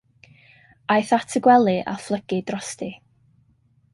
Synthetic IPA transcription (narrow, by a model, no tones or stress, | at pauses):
ajθatʰəɡwɛlˠɨʔa̰flˠəɡ̥ɨdrɔsti